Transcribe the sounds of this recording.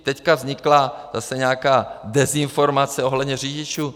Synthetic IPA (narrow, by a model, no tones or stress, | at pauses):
t̪ɛckavzɲɪklaz̥asɛɲɛakaːdɛzɪnfo̞ɾmat͡sɛo̞ɦlɛd̪ɲɛriːɟɪt͡ʃuː